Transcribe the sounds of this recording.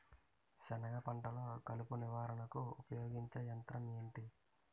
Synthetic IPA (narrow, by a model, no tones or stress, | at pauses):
t͡ʃɐnɐɡɐpɐɳʈɐloːkɐlupuniʋaːɾɐnɐkuupɐjoːɡiɲt͡ʃɐjɐnt̪ɾɐmeːɳʈi